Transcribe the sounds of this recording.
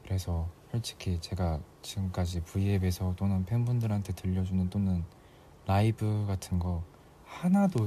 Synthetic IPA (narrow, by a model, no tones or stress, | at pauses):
kɯɾe̞sʰʌhʌɭt͡ɕʰi̥kʰit͡ɕe̞ɡat͡ɕiɡɯmk͈ad͡ʑipuiebe̞sʰʌt͈onɯnpʰeŋbundɯɾɦantʰe̞tɯʎːʌd͡ʑunɯnt͈onɯn | laibɯɡatʰɯnɡʌ | hanado